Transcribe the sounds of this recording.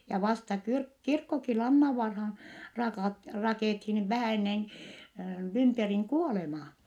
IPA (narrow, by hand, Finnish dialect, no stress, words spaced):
jɑ ʋɑstɑ kyrk kirkːoki lɑnːɑʋːɑrhɑːn rɑkɑˑt rɑkeˑthin ʋæhæ enːen lymperiŋ kuolemɑː